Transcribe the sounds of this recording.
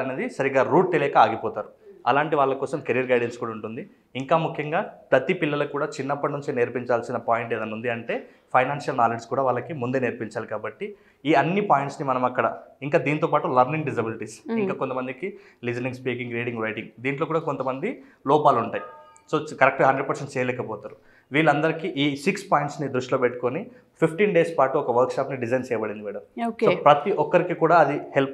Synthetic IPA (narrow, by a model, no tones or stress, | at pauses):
ɐneːd̪isɐɾiɡaːɾuːʈ̚t̪elɛːkɐaːɡipɔːt̪aːɾuɐ̰laːɳʈiʋaːɭːɐkɔːsɐmkeɾijɐɾɡɐjɖenskuːɽɐuɳʈund̪iː | ŋkaːmukʰjɐŋɡaːpɾɐt̪ipilːɐlɐkuːɽaːt͡ʃinːɐpːɐʈnuɲt͡ʃeːne̞ːɾpiɲt͡ʃaːlsinɐpaːjiɳʈeːd̪ɐnund̪iɐɳʈe̞ː | pʰɐjnaːnʂɐlnaːled͡ʒskuːɽaːʋaːɭːɐkimund̪eːneːɾpiɲt͡ʃaːlikaːbɐʈːi | iːɐnːipaːjiɳʈsnimɐnɐmɐkːɐɽɐ̰iŋkaːd̪iːnit̪oːpaːʈulɐɾniŋɡɖis̬ɐbiliʈisiŋkaːkont̪ɐmɐnd̪iki | lid͡ʒɐniŋɡspiːkiŋɡɾiːɽiŋɡʋɐjʈiŋɡd̪iːɳʈloːkuːɽaːkont̪ɐmɐnd̪i | lɔːpaːluɳʈaːji | so̞ːkɐɾek̚ʈɦɐɳɖɾeɖ̚pɐɾseɳʈ̚t͡ʃɛːjɐlɛːkɐpɔːt̪aːɾu | ʋiːɭːɐnd̪ɐɾikiʔiːsikspaːjiɳʈsnid̪ɾuʂʈloːpeʈːu̥koni | pʰipʰʈiːnɖe̞ːspaːʈuɔkɐʋɐɾkʃaːpniɖid͡ʒɐjnt͡ʃɛːjɐbɐɽind̪iʋiːɽɐmokoːpɾɐt̪iʔɔkːɐɾikikuːɽaːɐd̪ihelp